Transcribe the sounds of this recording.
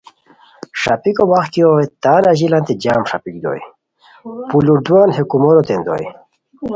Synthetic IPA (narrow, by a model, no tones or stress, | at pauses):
ʂapikowaxk̪iowet̪aːnaʑilant̪ed͡ʑaːmʂapik̚d̪o̰j | puluɾd̪wanɦekumoɾot̪end̪o̰j